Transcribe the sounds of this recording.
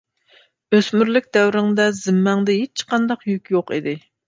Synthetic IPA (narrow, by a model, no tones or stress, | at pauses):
øsmyɾlɪk̚ʲd̪ɛwɾɪŋd̪ɛzɪmːɛŋd̪ɛɦet͡ʃʰːqɑnd̪ɑqjykʲjoqid̪ɪ